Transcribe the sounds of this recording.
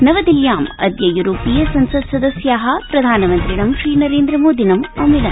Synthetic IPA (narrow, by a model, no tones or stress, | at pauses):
nɐʋɐd̪iljaːmɐ̰d̪jɐjuɾoːpijɐsɐnsɐsɐd̪ɐsjaːɦɐpɾɐd̪ʱaːnɐmɐnt̪ɾiɽɐmʃɾiːnɐɾeːnd̪ɾɐmoːd̪ʱinɐmɐmilɐ